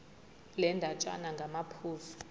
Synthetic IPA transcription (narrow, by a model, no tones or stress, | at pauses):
lɛndʱat͡ʃʼa̰naŋɡʱamapʰuːfu̥